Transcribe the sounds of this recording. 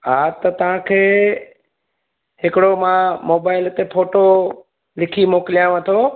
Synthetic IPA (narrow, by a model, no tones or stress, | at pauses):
ɦaːt̪ɐt̪ɐʋ̤ãkʰeː | ɦɪkɪɽomãmoːbaːɪlt̪epʰoːʈo | lɪkʰimoːkɪlijãʋɐt̪ʰo